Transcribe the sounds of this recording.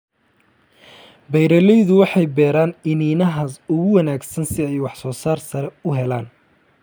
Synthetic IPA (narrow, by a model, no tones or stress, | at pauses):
bɛjɾɐlɛjðʊwɑħɑjbɛːɾaːnɪniːnɐɦɐsʊɣʊwɐnaːɡsɐnsɪɛjwɑħsɔːsaːrsɐɾɛʊɦɛlaːn